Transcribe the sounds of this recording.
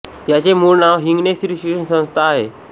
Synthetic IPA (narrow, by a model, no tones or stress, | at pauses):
jat͡ɕemuɾnaʋɦiŋɡnesɾiɕekʂənsə̃w̃st̪ʰaːɦe